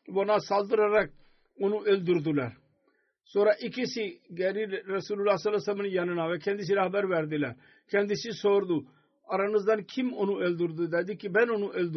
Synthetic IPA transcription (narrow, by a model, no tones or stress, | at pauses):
ʋonaːsald̪uɾɐɾɛk̚ | onũːʔeld̪ʊɾd̪ulɛ̰ːɾ | soːɾaːʔɪkisiɡɛːɾiːɾɐsuːlulːaːsɐlasɐmnjanənaːʋɛːkʰɛ̃nd̪is̬iɾaɦbəɾʋɛːɾd̪ilɛ̰ːɾ | kɛ̃ːnd̪isisoːɾd̪uː | ɐɾɐnəzd̪ɐnkʰɪmonũːeld̪ʊɾd̪ud̪ɛd̪ikibɛnonũːʔeld̪